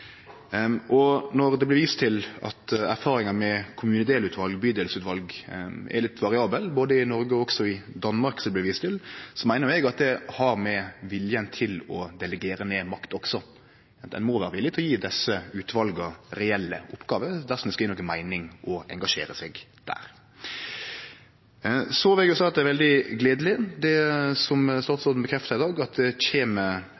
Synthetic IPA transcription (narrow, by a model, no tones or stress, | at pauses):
ʔɔnɔɾd̪ɛblɪɾʋiːst̪ʰɪlɑ̰t̪æɾfɑːɾɪŋɑmɛkʰʊmʉːnəd̪eːlʉːt̪ʰʋɑlɡbyːd̪eːlsʉːt̪ʋɑlɡʔɛ̰ɾlɪt̪ʋɑɾɪɑːbəlboːd̪əɪnɔɾɡəɔɔɡsɔɪd̪ɑnmɑɾksɛlblɪɾʋiːst̪ʰɪlsɔmæɪnəɾɛɡɑt̪̚d̪ɛhɑɾmɛʋɪljənt̪ʰɪlɔd̪ɛlɛɡeːɾəneːmɑkt̪ɔksɔ | ɛ̰nmɔʋæ̰ːɾəʋɪlːɪt̪ʰlɔjiːd̪ɛsəʉːt̪ʰʋɑlɡɔɾɛɛlːə̰ʔɔpːɡ̥ɑːʋəd̪æɾʁsɔmd̪ɛskɑjiːnoːɡənmæɪnɪŋʔɔɛ̰ŋɡɑʂḛːɾəsɛɡd̪̥æ̰ːɾ | sɔʋlɛɡjʊsɑɪɑt̪̚d̪ɛæɾʋɛld̪ɪɡleːd̪əlɪd̪ɛsɔmst̪ɑːt̪sɔd̪n̩bəkʰɾɛft̪əɾɪd̪ɑːɡɑt̪̚d̪ɛçeːmə